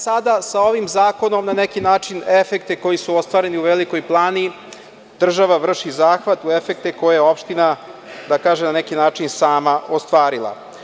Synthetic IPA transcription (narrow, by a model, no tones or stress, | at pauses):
sad̪asao̞ʋimzaːko̞no̞mnanekinaːt͡ʂinefe̞k̚t̪eko̞jisuost̪ʋaːɾe̞niuʋeliko̞jplˠaːni | d̪r̩ʒaʋaʋr̩ʃizaːxʋat̪uefek̚t̪ekojajeo̞pʃt̪ina | d̪akaːʒenanɛkinaːt͡ʂinsaːmaʔost̪ʋaːɾilˠa̰